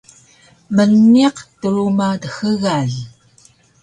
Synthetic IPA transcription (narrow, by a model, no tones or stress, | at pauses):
mənːiqtəɾumadəxəɣaɮ